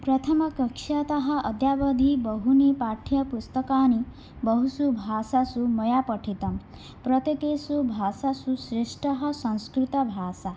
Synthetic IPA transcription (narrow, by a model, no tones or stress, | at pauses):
pɾʌt̪ʰɐmʌkɐkʂat̪ɐɦʌʔɐd̪jabəd̪ʱibɔɦunipaʈʰjɐpust̪ɐkaːni | bɔɦusubʱasasumɐjapəʈʰit̪ɐm | pɾɔt̪ekesubʱasasusɾiʂʈʌɦʌsɐ̃w̃skɾit̪ɐbʱaːsa